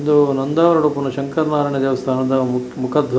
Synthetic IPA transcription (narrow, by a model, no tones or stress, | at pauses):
nd̪unɐnd̪aːʋɐɾɐɽupunɐʃɐŋkɐɾnaːɾɐɳɐd̪eːʋɐst̪ʰaːnɐd̪ɐ | mukʰaːd̪ʱʋɐ